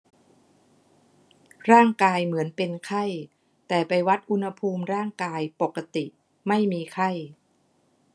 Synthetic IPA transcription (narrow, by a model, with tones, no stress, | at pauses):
ɾaː˥˩ŋkaː˧jmɯ˩˦ənpe˧nkʰa˥˩j | t̪ɛː˨˩pa˧jwa˦˥t̪̚ʔu˧nha˧pʰuː˧mɾaː˥˩ŋkaː˧jpo˨˩kːa˧t̪i˨˩ʔ | ma˥˩jmiː˧kʰa˥˩j